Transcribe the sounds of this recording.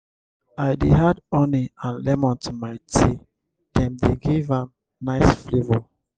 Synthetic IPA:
aɪdeɦadɔniãnlɛmɔ̃ntʰumaɪtʰi | d̥ɛ̃mdeɡivãm | naɪsflevɔ

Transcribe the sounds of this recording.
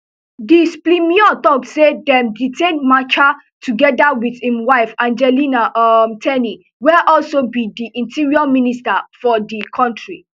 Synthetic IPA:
displimiɔt̪ɔksedɛ̃mditʰẽnmat͡ʃa | tʰuɡɛdawiðhĩmwaɪfãnd͡ʒɛlinaʔmtʰɛni | wɛʔɔlsobidiʔĩntiɹiɔministafɔdikʰɔ̃ntɹi

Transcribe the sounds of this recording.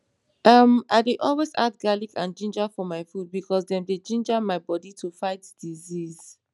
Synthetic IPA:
ʌmaɪdeʔɔlwezadɡalikã̰nd͡ʒĩnd͡ʒafɔmaɪfud̚bikʰɔsdɛ̃mded͡ʒĩnd͡ʒamaɪbɔditʰufaɪtd̥iziz̥

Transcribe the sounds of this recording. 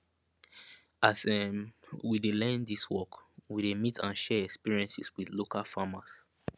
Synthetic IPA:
ʔasɛmwidelɛ̃ndiswɔkwidemitʰãnʃɛɛkspiɹiɛ̃nsiswiðlokʰalfamas

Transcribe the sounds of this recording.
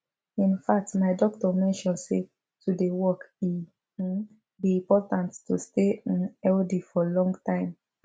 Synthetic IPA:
ĩnfak̚tmaɪdɔk̚tɔmɛ̃nʃɔ̃nse | tudewɔki | biĩpɔtãntːusteĩnɛldifɔlɔ̃ŋɡtãɪ̃m

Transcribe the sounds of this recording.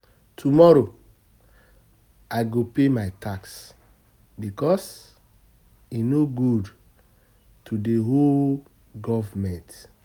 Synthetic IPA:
tʰumɔɾo | aɪɡopemaɪtʰaks | bikɔs | inoɡud | tudeɦol | ɡɔvmɛ̃nt

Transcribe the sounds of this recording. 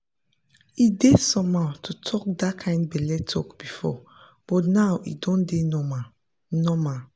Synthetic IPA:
idesɔ̃matʰutʰɔk̚dakʰãɪ̃nd̚bɛlɛtʰɔkb̥ifɔ̰ | b̥ɔtnawḭdɔ̃ndenɔma | nɔma

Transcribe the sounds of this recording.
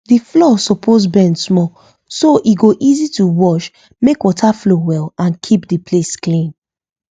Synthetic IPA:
diflɔsɔpʰozbɛ̃ndsmɔ | soʔiɡoʔizituwɔʃ | mekwɔtʰaflowɛlãnkʰipdipʰlesklĩn

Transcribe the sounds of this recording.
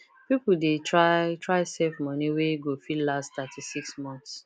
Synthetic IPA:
pipudetʰɹaɪtʰɹaɪsevmɔniweɡofilastt̪atʰisiksmɔ̃nθs

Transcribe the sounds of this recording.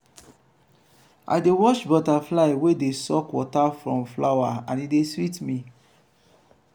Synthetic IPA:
a̰ɪdewɔʃbɔtaflaɪwedesɔkwɔtafɹɔ̃mflawaãnideswitmĩ

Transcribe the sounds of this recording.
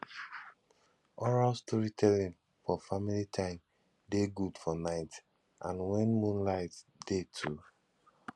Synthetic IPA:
ɔɹalstʰɔɹitʰɛlĩn | fɔfamilitʰãɪ̃m | deɡudfɔnaɪt | ʔã̰nwɛ̃nmũnlaɪtdetʰu

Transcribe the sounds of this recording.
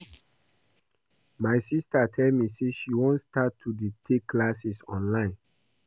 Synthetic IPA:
maɪsistatʰɛlmiseʃiwɔ̃nstatʰːuditʰekːlasisɔ̰̃nlãɪ̃n

